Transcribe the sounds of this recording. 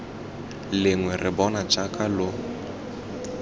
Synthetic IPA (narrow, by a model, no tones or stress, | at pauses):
lɪŋwɛrɪbɔnat͡ʃʼakʼalo